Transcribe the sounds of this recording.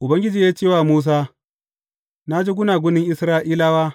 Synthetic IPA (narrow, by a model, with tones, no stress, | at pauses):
ʔʊ˨bɐ˦ŋɡʲɪ˦d͡ʒiː˨jaː˦t͡ʃeː˦˨waː˨muː˦s̬aː˦ | na˦d͡ʒeː˦ɡʷʊ˦naː˨ɡʷʊ˦nɪ˦ŋʔɪ˦sɾaː˦ʔiː˦laː˦waː˦